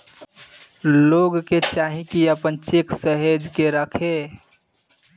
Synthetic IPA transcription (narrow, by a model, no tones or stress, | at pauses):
loɡket͡ʃaːɦĩkiəpənt͡ʃeksəɦed͡ʒkeɾəkʰe